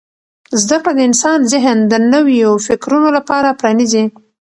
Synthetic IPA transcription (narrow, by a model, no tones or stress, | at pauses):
zd̪akɽad̪əɪnsɑnzɪɦnd̪ənəwjofɪkɾunolapɑɾapɾɑnizi